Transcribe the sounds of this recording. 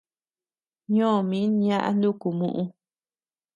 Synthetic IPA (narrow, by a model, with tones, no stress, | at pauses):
ɲõ˦˨mĩ˦ɲã˦ʔa̰˧nd̪u˦ku˨mṵ̃˦ʔũ˧